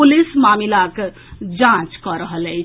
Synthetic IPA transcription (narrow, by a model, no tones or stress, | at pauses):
ulismamilak | d͡ʒãt͡ʃkəɾəɦəlɛj